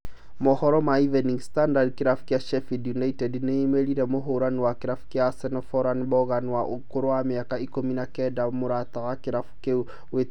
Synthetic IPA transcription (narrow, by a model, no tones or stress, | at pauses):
mohɔɾomaiveniŋɡistandadkiɾafu̥kjaʃefidjunaitedneimeɾiɾemoɦuɾaniwakiɾafu̥kjasenofoɾanβoɣanwaʔukoɾowamiakaikominakedamuɾat̪aɣakiɾafu̥ke | we